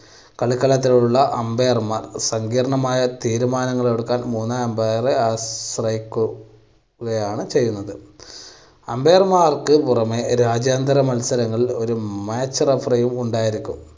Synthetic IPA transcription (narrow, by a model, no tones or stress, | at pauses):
kɐɭikːɐɭɐt̪̬ːiluɭːɐʔɐmbejɐrmaːrsɐŋɡiːɾɐɳɐmaːjɐt̪iːɾumaːnɐŋːɐɭoɽukːaːnmuːnːaembereaːsrɐjikʲːu | ɣɐjaːɳɨt͡ɕe̞jːunːɐðɨ | ɐmbejɐrmaːrkɨpurɐmeɾaːd͡ʑjaːnd̪ɐɾɐmɐlsɐɾɐŋːɐɭo̞ɾumaːt͡ɕːɐrɐfrɐjumuɳɖaːjiɾikʲːum